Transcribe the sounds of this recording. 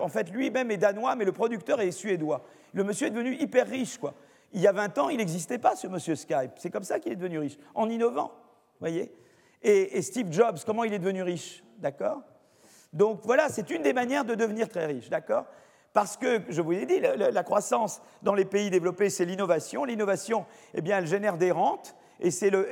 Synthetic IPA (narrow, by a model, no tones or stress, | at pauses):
ɑ̃fɛt̪lɥimɛmɛd̪anwamɛləpχɔd̪yk̚t̪œʁɛsɥed̪wa | ləməsjøɛd̪əvənyʔipɛʁːiʃkwa | iljavɛ̃t̪ɑ̃ilɛɡzis̬t̪ɛpasəməsjøskajpsɛkɔmsakilɛd̪əvənyʁiʃɑ̃ninɔvɑ̰̃ | vwajeː | st̪ivʒɔbskɔmɑ̃ilɛd̪əvənyʁiʃ | d̪akɔːʁ | d̪ɔ̃kvwalasɛt̪ynd̪emanjɛʁd̪əd̪əvəniʁt̪χɛʁiʃd̪akɔːʁ | paʁsə̥kəʒəvuzed̪illəlakχwasɑ̃s | d̪ɑ̃lepeid̪evlɔpesɛlinɔvasjɔ̃linɔvasjɔ̃ | ebjɛ̃ɛlʒenɛʁd̪eʁɑ̃t̪ | esɛlə